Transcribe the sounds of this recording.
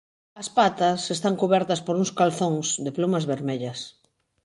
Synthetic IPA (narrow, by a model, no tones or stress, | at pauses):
ɐspat̪ɐsest̪aŋkuβɛɾt̪ɐspoɾuŋskalθoŋsd̪eplumɐzβeɾmeʎɐs